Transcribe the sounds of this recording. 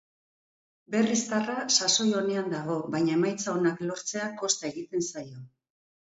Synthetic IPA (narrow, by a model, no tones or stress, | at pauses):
be̞rist̪arasaso̞jo̞ne̞and̪aɣ̞o̞βajɲae̞majt͡saonaklo̞ɾt͡se̞ako̞st̪ae̞ɣit̪e̞nsajo̞